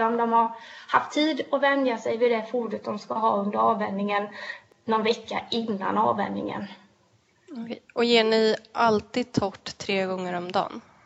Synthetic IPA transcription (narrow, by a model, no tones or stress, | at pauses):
ɔmd̪ɔmhaɾhaft̪ʰːiːd̪ɔvɛnd̪jasɛjvɪd̪ɛfuːɖət̪̚d̪ɔmskaɦɑ̰ːɵnd̪əɾɑːvɛnnɪŋən | nːɔnvɛkːa̰ʔɪnːa̰nɑ̰ːvɛ̰nnɪ̰ŋə̰n | ɔjeːɳɪʔalt̪iːd̪̚t̪ʰɔʈːt̪ʰːɾeːɡɔŋːəɾɔmd̪ɑ̰ːn